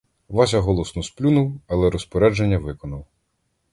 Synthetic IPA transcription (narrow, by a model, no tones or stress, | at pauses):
ʋɑsʲɐɦɔlˠɔsnɔsplʲunuwɐlˠɛɾɔspɔɾɛd͡ʒenʲːɐʋɪkɔnɐw